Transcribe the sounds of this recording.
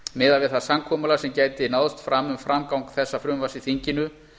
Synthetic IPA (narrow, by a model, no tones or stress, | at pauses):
mɪːðalvɪðθaðsamkʰɔːmalasɛmcaːjt̪ɪnawðʏst̪fɾamːʏmfɾʔamkawŋkθɛsːafɾʏmvasiθiɲcɪnʏ